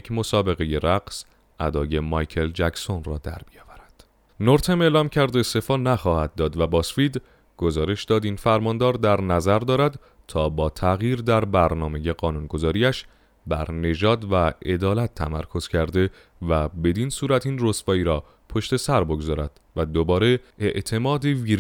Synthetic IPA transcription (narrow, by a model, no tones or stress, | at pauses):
jcʰmo̞sɒːbe̞ɣe̞je̞ɾæɡs | ʔæd̪ɒːje̞mɒjcʰe̞ld͡ʒækso̞nrɒːd̪æ̰ɾbijɒːvæɾæd̪̥ | noɾt̪ʰeme̞ːlɒːmcʰæɾd̪est̪e̞fɒːnæχɒːhæd̪̚ːɒːd̪væbɒːsfid̪ | ɡ̥o̞zɒːɾe̞ʃd̪ɒːd̪infæɾmɒːnd̪ɒːɾd̪æɾnæzæɾd̪ɒːɾæd̪ | t̪ʰɒːbɒːt̪ʰæɣjiːɾd̪æɾbæɾnɒːme̞je̞ɢɒːnunɡo̞zɒːɾiːæʃ | bæɾne̞d͡ʒɒːd̪væe̞d̪ɒːlæt̪ʰːæ̰mæɾkʰo̞z̥cʰæɾd̪e̞ | væbe̞d̪insuːɾæt̪ʰinrosbɒːiːɾɒː | pʰo̞ʃt̪e̞sæɾbo̞ɡozɒːɾæd̪̥væd̪obɒːɾe̞ʔeʔt̪ʰe̞mɒːd̪eviːɾ